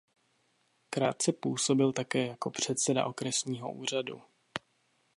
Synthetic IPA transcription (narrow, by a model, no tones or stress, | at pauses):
kɾaːt̪̚t͡sɛpuːso̞bɪlt̪akɛːjako̞pr̝̥ɛt̪sɛda̰ʔo̞kɾɛsɲiːɦo̞̰ʔuːr̝adṵ